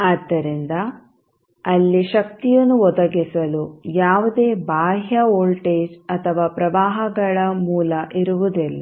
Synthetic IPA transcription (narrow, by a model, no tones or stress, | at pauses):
aːd̪ːɐɾind̪ɐ | ɐlːiʃɐk̚t̪ijɐnːuɔd̪ɐɡisɐlujaːʋud̪eːbaːɦjɐoːlʈeːd͡ʒɐt̪ʰɐʋaːpɾɐʋaːɦɐɡɐɭɐmuːlɐʔiɾuʋud̪ilːɐ